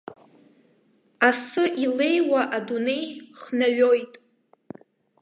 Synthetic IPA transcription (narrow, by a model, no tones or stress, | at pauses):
asɨʔile̞jwaʔadune̞jχnaɥo̞jtʼ